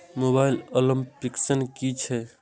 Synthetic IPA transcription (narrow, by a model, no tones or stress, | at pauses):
mobailolimpiksənkit͡ʃʰɛ